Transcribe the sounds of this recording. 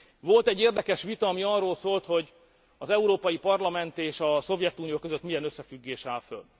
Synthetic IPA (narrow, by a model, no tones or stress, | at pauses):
ʋo̞lt̪ɛɟːeːrd̪ɛkɛʃʋit̪ɒɒmiɒrːoːlsoːlt̪ho̞ɟ | ɒzɛuɾoːpɒjipɒrlɒmɛnt̪eːʃɒso̞vjɛt̪uːnijoːkøzøt̪mijɛnøsːɛfyɡːeːʃaːlfø̰l